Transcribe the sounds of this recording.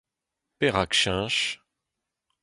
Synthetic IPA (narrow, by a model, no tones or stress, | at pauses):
peʁakʃɛ̃ʃ